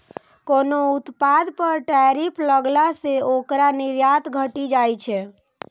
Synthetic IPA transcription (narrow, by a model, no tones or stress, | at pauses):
konout̪pad̪pəɾʈɛɾipʰləɡlaseokɾaniɾjat̪ɡʱəʈid͡ʒajt͡ʃʰɛ